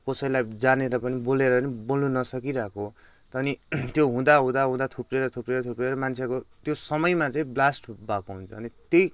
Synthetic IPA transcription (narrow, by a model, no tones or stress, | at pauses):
kosʌilajd͡zaneɾʌpʌniboleɾʌnibolnunʌsʌkiɾakʰo | t̪ʌnit̪joɦũd̪aɦũd̪aɦũd̪at̪ʰupreɾʌt̪ʰupreɾʌt̪ʰupreɾʌmant͡sʰekot̪josʌmʌjmat͡saĩblasʈbakoɦunt͡sʰʌːnit̪jej